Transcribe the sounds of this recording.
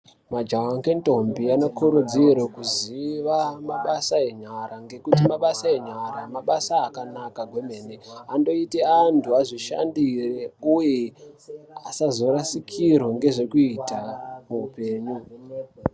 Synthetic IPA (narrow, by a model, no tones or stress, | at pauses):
mad͡ʒawaŋke̞nto̞mbiano̞kʰuɾud͡zirwekuziʋamaɓasae̞ɲaɾaŋɡe̞kutimaɓasae̞ɲaɾamaɓasaːkanakaɡʱwe̞me̞ːneando̞iteantʰuaʐiʃa̰ndireuje | asazo̞ɾasikʰirwoŋɡe̞ʐe̞kuitamuːpe̞ːɲu